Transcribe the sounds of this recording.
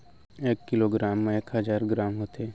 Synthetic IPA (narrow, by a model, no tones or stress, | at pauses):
eːkːɪloːɡɾaːmːẽeːkɦɐzaːɾɡɾaːmɦoːt̪eː